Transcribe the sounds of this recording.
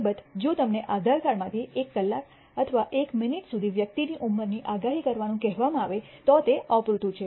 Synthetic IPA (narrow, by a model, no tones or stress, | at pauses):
bət̪d͡ʒot̪əmneʔad̪ʱaɾkaɾmãt̪ʰiekːəlːak | ət̪ʰəʋaʔekmɪniʈsud̪ʱiʋjək̚t̪iniʔumːəɾniʔaɡaɦikəɾʋanũkɛɦʋamãaʋet̪ot̪eɔpɾut̪ũt͡ʃʰe